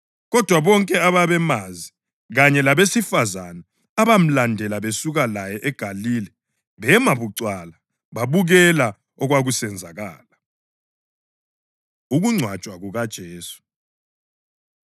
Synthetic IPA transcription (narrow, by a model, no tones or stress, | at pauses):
ɣɔd̥ʱwaβɔŋkʼɛaβaβɛmazi | ɣaɲɛlaβesifazanaː | βam̩landʱɛlaβesuɣalajɛʔɛɡ̥ʱaliːlɛ | βɛmaβuǀwala | βaβuɣɛla | ɔɣwaɣusɛnd͡zʱaɣaːla | uɣuŋ͡ǀʱwḁt͡ʃʼwaɣuɣad̥ʒ̥ʱeːsu̥